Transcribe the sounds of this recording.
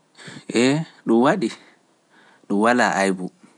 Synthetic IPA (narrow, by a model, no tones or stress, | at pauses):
ʔɛɗumwaɗi | ɗuwalaʔajbu